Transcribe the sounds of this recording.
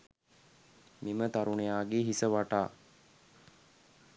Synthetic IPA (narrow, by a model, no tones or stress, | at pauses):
mimət̪aɾunejaːɡeɦisəʋaʈaː